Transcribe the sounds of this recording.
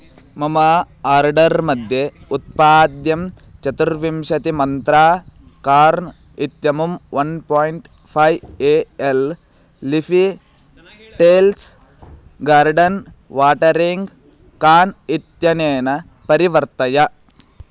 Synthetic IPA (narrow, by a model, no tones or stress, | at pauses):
mɐmɐ | aːɾɖɐɾmɐd̪ʱjeut̪̚paːd̪jɐm | t͡ʃɐt̪uɾʋimʃɐt̪imɐnt̪ɾaː | kaːɾn | it̪jɐmumʋɐnpoːjɳʈ | pʰɐjeːelː | ipʰi | ʈeːls | ɡaːɾɖɐnʋaːʈɐɾiŋɡ | kaːnit̪jɐneːnɐ | pɐɾiʋɐɾt̪ɐjɐ